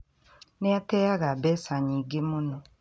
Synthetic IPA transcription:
neatɛjaɣabɛsaɲĩɡemʊnɔ

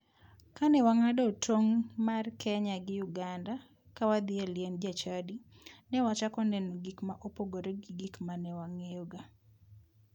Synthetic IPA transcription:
kanɛwaŋadɔtʰoŋmarkʰɛɲaɡɪjʊɡanda | kawad̪ɪaljend͡ʒat͡ʃadi | nɛwat͡ʃakɔnɛnoɡikmaʔopoɡoɾeɡɪɡikmanɛwaŋeoɡa

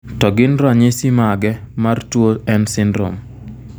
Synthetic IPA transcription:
tɔɡɪnɾaɲesimaɡɛ | martwoɛnsɪndɾo̰m

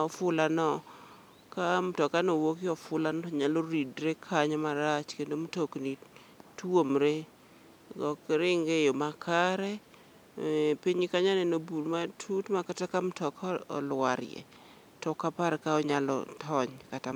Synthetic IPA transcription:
ɔfʊlanɔ | kamtɔkanowokɪɔfʊlanɔɲaloɾidɾekʰaɲamaɾat͡ʃkendomtokni | twomɾe | ɡɔkɾɪŋɡejomakʰaɾɛ | piɲɪkaɲanɛnobuɾmatʰutmakatakamtɔkɔ̰lwaɾjɛ̰ | tɔkapaɾɛkaɔɲalɔ̰tʰɔɲkata

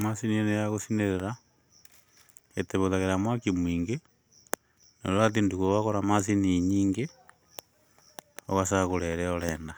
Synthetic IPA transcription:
masinienejaɣosineɾeɾa | eteβoðaɣeɾamwakimwiːŋɡe | no̰ɾoɾat̬induɣuoɣaɣoɾamasiniɲiːŋɡe | o̰ɣasaɣoɾeɾeoɾeːnda

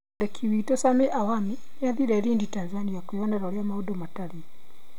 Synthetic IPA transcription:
dɛkʰiwitɔsamɛʔawami | naðiɾɛɾinditanzanijakujɔnaɾɔɾjamaudɔmatali

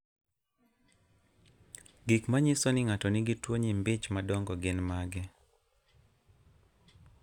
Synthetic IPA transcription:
ɡikmaɲɪsɔnɪŋatɔnɪɡɪtwoɲimbɪt͡ʃmadɔŋɡɔɡɪnmaɡɪ

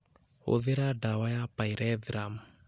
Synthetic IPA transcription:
o̰ðɪɾaɖawajapaiɾɛðɾam

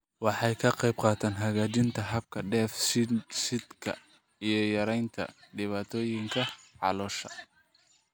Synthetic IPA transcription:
wɑħɑjkʰɐqɛjbqɑːt̪ʰaːnɦɐɣaːt͡ʃɪnt̪ʰɐɦɐb̚kʰɐɖɛːfssɪd̪kʰɐ̰ | ijɞjɐɾɛjnt̪ʰɐ̰ɖɪβaːt̪ʰɔːjɪŋkʰɐʕɑ̰lɔːʃɐ̰

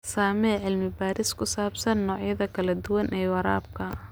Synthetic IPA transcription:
saːmɛːʕɪlmɪbaːɾɪskʰʊsaːbsɐnːɔːʕjɐðɐkʰɐlɐd̪ʊwɐnʔɛːwɐɾa̰ːb̚kʰɐ

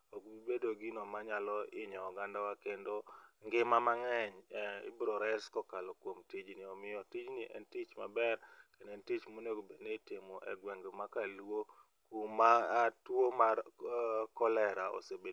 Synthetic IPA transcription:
okibedoɡinɔmaɲalɔʔɪɲɔːɡandawakendoŋɡɪmamaŋɛɲḭbɾoɾɛskɔkalɔkwomtid͡ʒniɔmɪjɔtid͡ʒniʔɛ̰ntit͡ʃmabɛɾkendɛntit͡ʃmonoɡobedneitimoʔɛ̰ɡwɛŋɡmakalwo | kumatwomarkɔlɛɾaʔo̰sebe

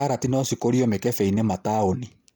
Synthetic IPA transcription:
aɾatinɔsikoɾiɔmekɛfɛinemataoni

